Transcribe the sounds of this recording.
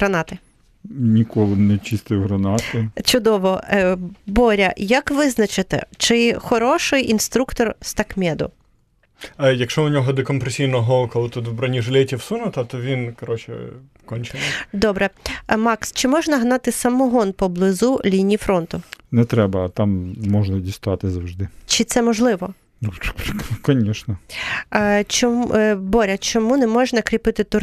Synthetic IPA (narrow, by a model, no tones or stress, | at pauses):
ɾɐnɑt̪ɪ | nʲikʰɔlˠɪnɛt͡ʃist̪ɪjɦɾɐnɑt̪ɪt͡ʃʊd̪ɔʋɔ | bɔɾʲɐjɐkʋɪznɐt͡ʃɪt̪ɪ̰t͡ʃɪxɔɾɔʃɪjʔinst̪ɾukt̪ɔrst̪ɐkmʲɛd̪ʊ̰ | jɐkʃt͡ʃɔʊnʲɔɦɔd̪ɔkɔmpɾesʲijnɔɦɔkɔlˠɪt̪ut̪wbɾɐnʲiʒɪlʲɛtʲiwsunʊt̪ɐt̪ɔʋʲinkɔɾɔt͡ʃɪ̰ | kɔnʲt͡ʃɪnd̪ɔbɾɛmɑkst͡ʃɪmɔʒnɐɦnɑt̪ɪsɐmɔɦɔnpɔblˠɪzulʲinʲifɾɔnt̪ʊnɛt̪ɾɛbɐt̪amːɔʒnɐdʲist̪ʊʋat̪ɪzɐwʒd̪ɪt͡ʃɪt̪sɛmɔʒlˠɪʋɔ | kɔnʲɛʃnɐ | t͡ʃɔbɔɾʲɐt͡ʃɔmunɛmɔʒnɐkɾʲipɪt̪ɪt̪ʊ